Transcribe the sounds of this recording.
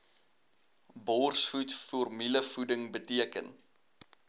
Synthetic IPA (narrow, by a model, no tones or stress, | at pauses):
bɔrsfutfurmiləfudəŋbətiəkə̰n